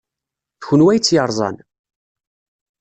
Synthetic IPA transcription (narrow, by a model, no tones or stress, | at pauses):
θçʊnwæjt͡sːjəɾˤzˤɑ̰n